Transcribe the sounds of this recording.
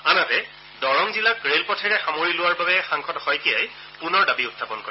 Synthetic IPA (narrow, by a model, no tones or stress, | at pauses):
anatɛ | dɔɹɔŋzilakɹelpɔtʰɛɹɛxamoɹilʊwaɹbabɛxaŋkʰɔtɔhɔjkijaj | pʊnɔɹdabiʊtʰːapɔnkoɹi